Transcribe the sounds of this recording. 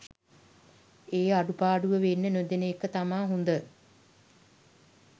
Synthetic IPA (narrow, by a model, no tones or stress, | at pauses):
eːaɖupaːɖuʋəʋenːənød̪enəekːət̪amaːɦund̪ə